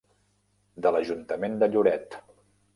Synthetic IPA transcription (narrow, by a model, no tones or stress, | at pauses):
d̪ələʒunt̪əmend̪əʎuɾɛt̪